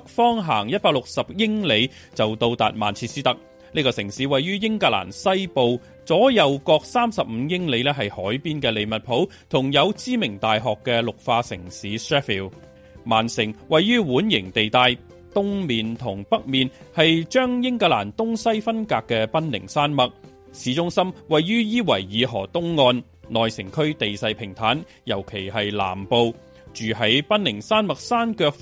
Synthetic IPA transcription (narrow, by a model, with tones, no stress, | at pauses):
k̚fɔː˥ŋɦaː˨˩ŋjɐ˥t̚paː˧k̚lʊ˨k̚sɐ˨p̚jɪ˥ŋle˨˧j | t͡sɐ˨wt̪o˧wt̪a̰ː˨t̚ma̰ː˨˩nt͡sʰiː˧t̚siː˥t̪ɐ˥k̚ | niː˥kɔː˧sɪ˨˩ŋsiː˨˥wɐ˨jːyː˥jɪ˥ŋkaː˧la̰ː˨˩nsɐ˥jpo˨w | t͡sɔː˨˥jɐ˨˧wkɔː˧k̚saː˥msɐ˨p̚m̩ː˨˧jɪ˥ŋle˨˧jlɛː˥ɦɐ˨jhɔː˨˥jpiː˥nkɛː˧le˨˧jmɐ˨t̚pʰo˨˥w | t̪ʰʊ˨˩ŋjɐ˨˧wt͡siː˥mɪ˨˩ŋt̪aː˨jɦɔː˨kːɛː˧lʊ˨k̚faː˧sɪ̰˨˩ŋsiː˨˥sɹɛː˥fi˨w | maː˨˩nsɪ˨˩ŋwɐ˨jːyː˥wuː˨˥njɪ˨˩ŋt̪e˨jt̪aː˨˧j | t̪ʊ˥ŋmiː˨nt̪ʰʊ˨˩ŋpɐ˥k̚miː˨nhɐ˨jt͡ʃœː˥ŋjɪ˥ŋkaː˧la̰ː˨˩nt̪ʊ˥ŋsɐ˥jfɐ˥nkaː˧kːɛː˧pɐ˥nlɪ̰˨˩ŋsaː˥nmɐ˨k̚ | siː˨˥t͡sʊ˥ŋsɐ˥mwɐ˨jːyː˥jiː˥wɐ˨˩jːiː˨˧ɦɔ̰ː˨˩t̪ʊ˥ŋːɔː˧n | lɔː˨jsɪ˨˩ŋkʰɵ˥ɥt̪e˨jsɐ˧jpʰɪ˨˩ŋt̪ʰaː˨˥n | jɐ˨˩wkʰe˨˩jhɐ˨jla̰ː˨˩mpo˨˧w | t͡ʃyː˨hɐ˨˥jpɐ˥nlɪ˨˩ŋsaː˥nmɐ˨k̚saː˥nkœː˧k̚